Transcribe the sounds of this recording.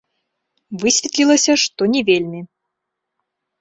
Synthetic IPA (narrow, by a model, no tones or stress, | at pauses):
vɨsʲvʲet̪ʲlʲilˠəsʲɐʂt̪onʲivʲelʲmʲi